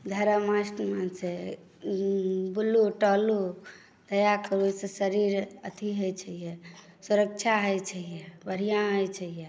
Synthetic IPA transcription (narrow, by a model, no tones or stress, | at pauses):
d̪ʱəɾəmasʈmãse | buluʈɔlu | d̪̥əjakəɾusesəɾiɾət̪ʰiɦəjt͡ʃʰəɦije | suɾək̚t͡ʃʰaɦəjt͡ʃʰəɦijebəɾ̤ijãɦəjt͡ʃʰəɦije